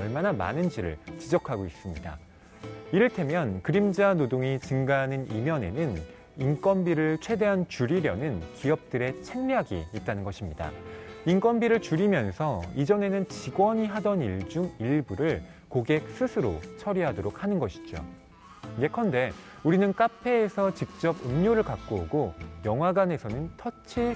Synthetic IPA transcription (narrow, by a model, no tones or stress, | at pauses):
ʌɭmanama̰nɯnd͡ʑiɾɯ̰ɭt͡ɕid͡ʑʌkʰaɡois͈ɯmɲida̰ | iɾɯɭtʰe̞mjʌnkɯɾimd͡ʑanodoŋit͡ɕɯŋɡanɯnimjʌne̞̰nɯn | ink͈wʌnbiɾɯɭt͡ɕʰwe̞de̞ɦant͡ɕuɾiɾjʌnɯnkiʌp̚t͈ɯɾe̞t͡ɕʰe̞ŋmjaɡḭːt̚t͈anɯnɡʌɕʰimɲida̰ink͈wʌnbiɾɯɭt͡ɕuɾimjʌnsʰʌid͡ʑʌne̞nɯnt͡ɕiɡwʌɲiɦadʌniɭd͡ʑuŋiɭbuɾɯɭ | koɡe̞k̚s͈ɯsʰɯɾo̰t͡ɕʰʌɾiɦadoɾok̚hanɯnɡʌɕʰi̥d͡ʑo̰ | je̞kʰʌnde̞ | uɾinɯnk͈apʰe̞ːsʰʌt͡ɕik̚t͡ɕ͈ʌbɯmɲoɾɯɭkak̚k͈oɡojʌŋɦwaɡane̞sʰʌnɯntʰʌt͡ɕʰi